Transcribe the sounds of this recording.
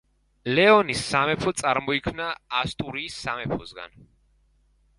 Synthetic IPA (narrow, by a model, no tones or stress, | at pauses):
lɛɔnisːamɛpʰɔt̪sʼaɾmɔikʰmnaːst̪ʼuɾiːsːamɛpʰɔsɡa̰n